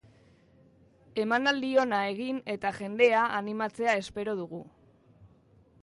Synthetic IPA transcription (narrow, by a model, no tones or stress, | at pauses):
e̞manald̪io̞nae̞ɣ̞ine̞t̪aʝe̞nd̪e̞aʔanimat͡se̞ae̞spe̞ɾo̞ð̞uɣ̞u